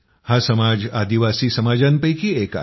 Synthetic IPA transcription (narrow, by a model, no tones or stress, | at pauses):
hasɐmaːd͡ʒaːd̪iʋaːsisɐmaːd͡ʒanpəjkieːka̰